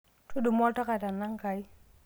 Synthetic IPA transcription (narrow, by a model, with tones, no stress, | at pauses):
tu˦du˨mo˦ta˦ka˨ta˨nːa˦ŋka˨i˦